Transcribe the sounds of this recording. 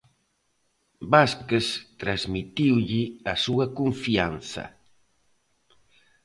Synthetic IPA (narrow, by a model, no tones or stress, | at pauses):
baskest̪ɾazmit̪iwʎɪɐsuɐkuɱfianθɐ̰